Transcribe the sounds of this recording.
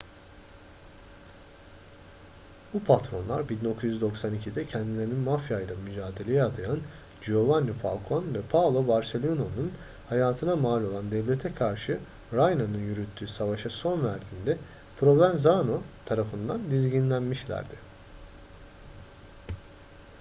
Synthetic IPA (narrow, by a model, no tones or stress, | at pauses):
b̥upʰat̪ɾo̞nlˠa̰ɾbidno̞kʰuzyzd̪o̞ksanicʰid̪ɛcʰɛnd̪ilʲe̞ɾininmafjajlˠamyd͡ʒaːd̪e̞lʲejɛad̪ajan | d͡ʒio̞vanːufa̰lʲˠkʰo̞nvɛpʰavlˠo̞baɾse̞lʲononun | hajaːt̪ʰɯnamaːlʲo̞lˠand̪ɛvlʲe̞t̪ʰɛkʰaɾʃɯ | ɾajnanɯnjyɾyt̪ʰːyːsavaʃɯso̞nvæɾd̪iːnd̪ɛ | pʰɾo̞vænzanot̪ʰaɾafɯnd̪and̪izɟinlʲænmiʃlʲæ̰ɾd̪ɪ